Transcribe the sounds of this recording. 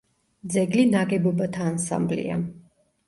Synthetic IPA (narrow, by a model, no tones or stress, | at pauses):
d̪zɛɡlinaɡɛbɔbat̪ʰaːnsa̰mblḭa̰